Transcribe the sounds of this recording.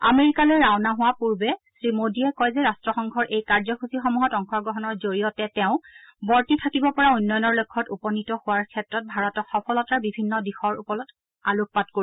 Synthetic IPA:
a̰meɹikalojɹawnaɦʊwapuɹbɛsɹimodiɛkɔjzɛɹastɹɔxɔŋɡʱɔɹʔejkaɹzɔxusixɔmuɦɔtɔŋkʰɔɡɹɔɦɔnɔɹzoɹijɔtɛtɛʊ̃bɔɹtitʰakibɔpɔɹaujnːɔjɔnɔɹlokʰːɔtupɔnitɔhʊwaɹkʰɛtɹɔt̚bʱaɹɔtɔxɔpʰɔlɔtaɹbibʱinːɔdixɔɹṵpɔlɔt | aluk̚patkoɹi

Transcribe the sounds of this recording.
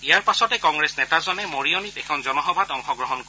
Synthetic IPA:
ijaɹpasɔtɛkɔŋɡɹesnɛtazɔnɛmoɹiɔnitɛkʰɔnzɔnɔxɔbʱadɔŋxɔɡɹɔɦɔnk

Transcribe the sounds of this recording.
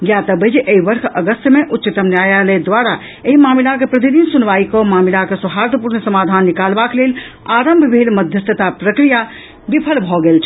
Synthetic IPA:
ɡjat̪əbəd͡ʒʔeɦiʋəɾkʰəɡəst̪meʔut̪ːt͡ʃit̪əmnjajaled̪ʋaɾa | eɦimamilakepɾət̪id̪insunʋaikɔmamilakesuɦaɾt̪əpuɾnsəmad̪ʱanːikalbaklelaɾəmbʱbʱelməd̪ʱjəst̪ʰət̪apɾəkɾija | bipʰəlbʱɔɡelt͡ʃʰ

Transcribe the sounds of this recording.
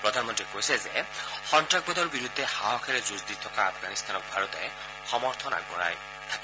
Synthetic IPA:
pɾɔd̪ʱanmɔnt̪ɾikojsezexɔnʈak̚bɔd̪ʱɔɾbiɾud̪ʱːehaɦɔkʰeɾezuzd̪it̪ʰɔkaːpʰɡanist̪ʰanɔk̚bʱaɾɔt̪ɔ | xɔmɔɾt̪ʰɔna̰ɡɔɾa̰j | t̪ʰa

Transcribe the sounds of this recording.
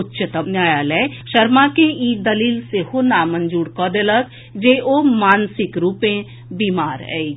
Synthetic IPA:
ʊtːʃət̪əmnjaːjəlɛːʃɐɾmakeiːd̪ɐliːlsehonaːmə̃nd͡ʒuːɽkɔːd̪elək | d͡ʒeʔomaːnsɪkɾuːpẽ | biːmaːɾɛ̰i

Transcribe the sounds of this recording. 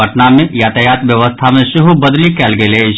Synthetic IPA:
əʈnamẽjaːt̪əjaːt̪ʋjɐʋəst̪ʰamẽʃɪɦubɐd̪likɛːlɡele

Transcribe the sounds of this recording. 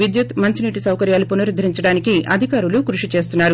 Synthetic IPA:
ʋid̪jut̪mɐɲt͡ʃiniːʈisɐwkɐɾjaːlupunɐɾid̪ʱːɐɾiɲt͡ʃɐɽaːnikiʔɐd̪ʱikaːɾulukɾuʂit͡ʃe̞ːst̪unːaːɾu

